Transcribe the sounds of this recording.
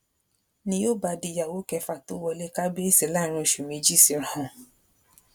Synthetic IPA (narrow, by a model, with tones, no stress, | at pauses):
nĩ˧jo˦ba˧di˧˨ja˨wo˨˦kɛ˧fa˨to˨˦wɔ˧le˦ka˦be˦e˦˨se˨la˦ɾ̃ũ˧e˨ʃu˨mĩ˧˦d͡ʒi˦˨si˨˧ɾ̃ã˨hɔ̃˨